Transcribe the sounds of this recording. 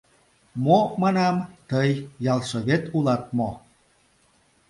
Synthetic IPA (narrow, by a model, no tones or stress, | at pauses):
momɑnɑmt̪əjːɑlˠʃoβet̪ulɑt̪̚mo